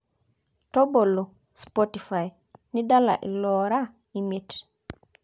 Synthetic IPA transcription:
to˦bo˨lːɔ˨ | spoti˨fa˨j | ni˦da˦la̰˨ʔḭ˨lɔɾa˦ | imi˦t

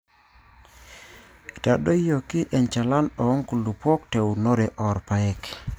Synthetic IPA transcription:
ta˨do˦jo˨ki˦ʔɛ˨nt͡ʃa˨la˦nɔ˨ɔ˦ŋku˨lu˨pɔ˦k̚te˨wno˦ɾɛ˨ʔɔ˨ɾpa˨ɛ˦˨k

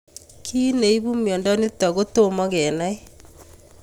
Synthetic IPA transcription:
kʰi˦ne˨i˦βu˦mjɔ˨nda˦ne˦ta˨ɣo˦tomɔ˦ɣɛ˨nai

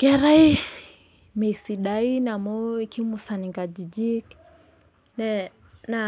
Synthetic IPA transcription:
kɛ˦ɾa˦i˦ | mɛ˨isi˨ɗai˦na˨mɔ˦ikʰi˦musaniŋɡa˨d͡ʒi˨d͡ʒi˦k | nɛ | na

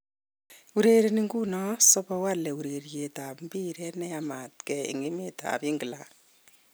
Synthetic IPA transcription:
u˨ɾe˨ɾi˨ni˦ŋɡu˦nɔ˦sɔ˦pɔ˧wa˦lɛ˨u˨ɾe˨ɾje˨ta˨pmbi˦ɾɛ˦nɛ˦jama˨tkɛ˨ḭ˨ŋɡi˦me˦tʰa̰˨pi˦ŋɡi˨la˨

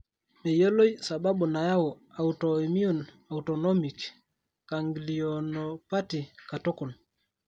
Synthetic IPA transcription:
me˨jo˦lo˦jsa˨ba˦ɓu˨na˨ja˦wɔ˨ | a˨uto˨mi˦o˨n | auto˨no˦mi˨k | ka˨ŋɡlionopa˦ti˨ka˨to˦ku˨n

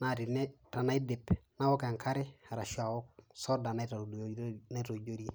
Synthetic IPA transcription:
na˦ɾi˨ne˦ta˨na˦i˦de˨pna˦wo˦ka˨ŋkʰa˦ɾe˦a˨ɾa˨ʃu˦a˨wo˦k̚so˦da˨na˦i˦ta˨na˦ɾo˨ɟo˦ɾi

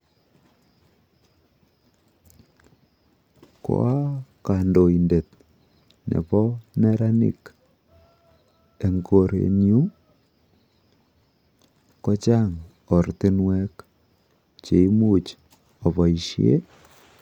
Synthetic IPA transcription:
ko̰˦a˦ka˨ndo˨i˨nde˨t | nḛ˨pɔ˦nɛ˦ɾa˦nḭ˨k | e˨ŋɡo˨ɾḛ˨nju˦ | kɔ˦t͡ʃa˦ŋ | ɔ˨rti˦nwɛ˦k | t͡ʃe˨i˦mu˦t͡ʃ | ɔ˨βɔ˨i˨ʃjḛ˦

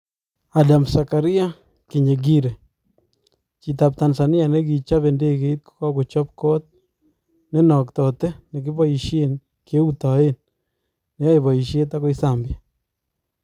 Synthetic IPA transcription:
a˨da˨msa˨ka˨ɾɪ˦a˦ | ki˨ɲe˨ɡi˦ɾɛ˨ | t͡ʃi˨t̪̬a˨p̚t̪a˨nsa˨nɪ˦a˨nɛ˦k̬i˨t͡ʃa˦βe˨nde˦ke˨i˦t̪̚kɔ̥˦ka˦ku˨t͡ʃɔ˦p̚kɔ˦t̪̚ | nɛ˦nɔ˨k̚t̪ɔ˨tɛ˦nɛ˨k̬ɪ˦bɔ˦i˨ʃe˦n | ke˦u˦t̪ɔ˨e˦nː | ɛ˦a˦jβɔ˨i˨ʃje˦t̬a˦kɔ˦i˦sambja˨

